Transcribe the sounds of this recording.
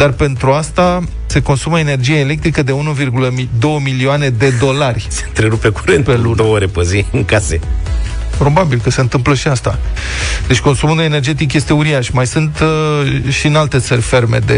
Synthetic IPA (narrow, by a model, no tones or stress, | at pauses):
d̪arpe̞nt̪ɾuast̪a | se̞ko̞nsuməene̞rd͡ʒijaele̞k̚t̪ɾikəd̪e̞unuvirɡuləmid̪o̞wəmilioane̞d̪e̞d̪o̞larʲse̞̥nt̪ɾe̞ɾupekuɾenpelud̪ooɾepəziɨŋkasḛ | pɾo̞babilkəse̞ɨnt̪ɨmpləʃiast̪a | d̪e̞t͡ʃʲko̞nsumunue̞ne̞rd͡ʒe̞t̪̬ik̬je̞st̪e̞uɾiaʃmajsɨnt̪ | ʃinalt̪e̞t̪sərʲfe̞rme̞̰d̪e